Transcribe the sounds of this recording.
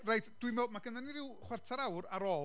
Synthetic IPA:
rejtʰd̥wimɛːdmaɡənaniɾɪwχwɛrtʰaɾawɾaɾɔː

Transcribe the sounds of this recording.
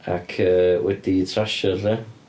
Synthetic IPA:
akʰəːwɛd̥itʰraʃərɛ

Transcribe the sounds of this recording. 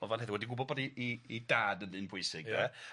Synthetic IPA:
ɔvanɦɛðɪwɛdiɡʊbɔbɔdiiidaːdəndɨnpʰʊjsɪɡɛ

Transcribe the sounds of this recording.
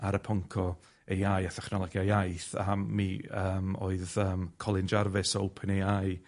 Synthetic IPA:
aɾəpʰɔŋkʰɔ | ejajaθɛχnɔlˠɔɡjajajθa̰mːiəːmo̰ːɨðəːmkʰɔlˠɪnd͡ʒarvɪsɔopʰənejaj

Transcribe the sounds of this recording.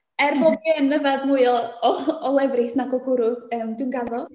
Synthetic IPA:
ɛrbɔɡənːəvadmuɨɔɔɔlˠɛvrɨsnaɡɔɡʊɾʊəmdɪwnɡaðɔ

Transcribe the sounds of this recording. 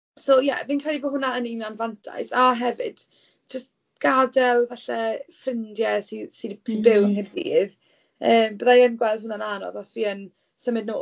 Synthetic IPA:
sojɛ̰viːnkʰr̥ɛdibɔɦʊnaəninanvantʰa̰jsaɦɛvɪ̰d̥ | d͡ʒəst | ɡ̥adɛlˠvɛɬɛfrɪndjɛsisisibɪwnərdḭːð | əːmbəðajənɡwɛlˠðhʊnananɔ̰ðɔsviːən | səmɨdnoː

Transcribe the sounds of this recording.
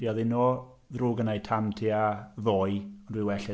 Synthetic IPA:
riɔðɪnɔ | ðruːɡənajtʰamtʰiaðoːjɔndwɪwɛɬɛ

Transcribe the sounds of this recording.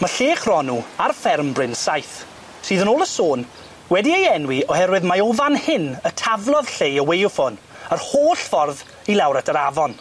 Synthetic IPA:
maɬeːχrɔnuarfɛrmbrɪnsajθ | sɨːðənoːlˠəsoːn | wɛdiejɛnwiɔhɛrwɨðmaovanhɪnətʰavlˠɔð̥ɬejəwejʊfɔn | ərhoːɬfɔrð | ilˠawɾatʰəɾavɔn

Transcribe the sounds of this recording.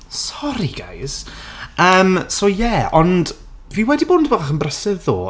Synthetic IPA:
sɔɾiɡ̥a̰jsəːmsojɛɔnd | viwɛdiboːnboːðaχənbrəsɪvðo̰ː

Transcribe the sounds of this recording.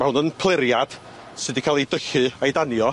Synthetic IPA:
mahʊnənpʰlˠɪɾjad̥ | sɨːdikʰaːlˠejdəɬɨajdanjɔ

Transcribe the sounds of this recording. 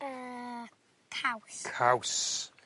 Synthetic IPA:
ə | kʰawskʰaws

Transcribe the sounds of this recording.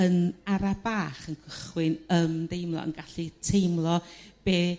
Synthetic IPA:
ənaɾabaːχənkʰəχwɪnəmdejmlˠɔ̰ə̰nɡaɬɨtʰejmlˠɔb̥eː

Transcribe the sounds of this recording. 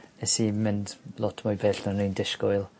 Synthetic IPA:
ɛsimɪndlˠɔtʰmʊjbʰeːɬnɔnindɪʃkɔjlˠ

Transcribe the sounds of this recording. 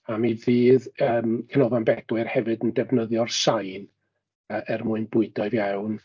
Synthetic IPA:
amiviːðəːmkʰənɔvanbɛdwɨrhɛvɨdəndɛvnəðjɔrsajn | əʔɛrmʊɨnbʊɨdɔɨvjawn

